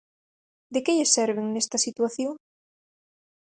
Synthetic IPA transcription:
d̪ekeʎɪsɛɾβɪŋnest̪ɐsit̪waθjoŋ

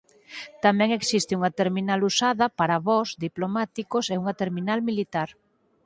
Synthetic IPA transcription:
t̪amɛ̃ŋeksist̪ɪuŋɐt̪eɾminalusaðɐpaɾaβɔzðiplomat̪ikoseuŋɐt̪eɾminalmilit̪aɾ

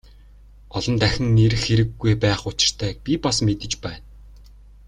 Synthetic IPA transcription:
ɔɮɞ̆nt̪æxʲɪ̆ŋneɾɘ̆xeɾɘ̆ɡːujpæːχʊt͡ɕɪ̆r̥t̪ʰæːpʲipasmet̪ɘ̆t͡ɕpæːn

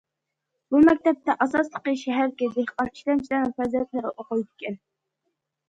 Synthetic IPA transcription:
bumɛk̚ʲt̪ɛp̚t̪ɛʔɑsɑslˠəqəʃɛɦæɾɡʲɛd̪ehqɑni̥ʃlɛnt͡ʃʰilæɾnɪŋfɛzilɛt̪lɪɾɪʔoqʊjd̪ɪkʲɛn

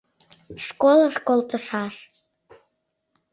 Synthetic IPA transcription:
ʃkoləʃkolt̪əʃɑʃ

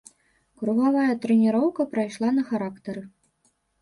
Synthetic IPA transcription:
kɾuɣavajɐt̪ɾɛnʲiɾɔwkɐpɾajʂlˠanɐxaɾakt̪ɐɾɨ

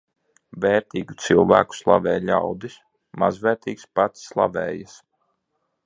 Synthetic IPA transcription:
vɛːɾt̪iːɡut̪silˠvæ̰ːku̥slˠa̰vɛːjʎʲawd̪is | mazvɛːɾt̪iːkspat̪sːlˠa̰vɛːjas

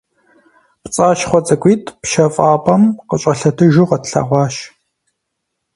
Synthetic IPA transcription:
pt͡sʼaːʃχʷɔt͡sʼɐkʷʼiːtʼpʃɐfʼaːpʼɐmqəɕʼɐɬɐtʰɨʒuqɐtɬɐ̰ʁʷɑːʃ

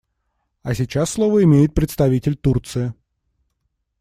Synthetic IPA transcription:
ɐsʲɪt͡ɕasːlˠovəɪmʲejɪt̪̚pɾʲɪt̪st̪ɐvʲitʲɪlʲt̪urt̪sɨjɪ

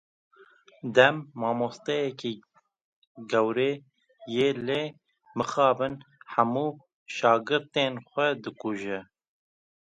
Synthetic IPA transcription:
d̪ɛmːɑːmost̪ɛjɛkiː | ɡɛwɾeː | jeːleː | mɨxɑːbɨnħæmuː | ʃɑːɡɨɾt̪enxʷɛd̪ɨkuʒɛ

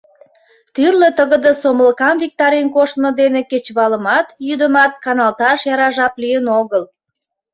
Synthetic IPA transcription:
t̪yrlət̪əɣə̆d̪ə̆soməlkɑmvʲik̚t̪ɑɾenkoʃt̪mod̪eneket͡ɕβɑləmɑt̪jyd̪əmɑt̪̚kɑnɑlt̪ɑʃjɑɾɑʒɑplijənoɣəl

